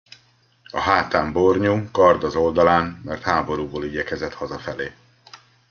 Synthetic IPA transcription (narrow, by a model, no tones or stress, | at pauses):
ɒɦaːt̪aːmborɲuːkɒrd̪ɒzo̞ld̪ɒlaːnmɛrt̪haːbo̞ɾuːboːliɟɛkɛzɛt̪hɒzɒfɛleː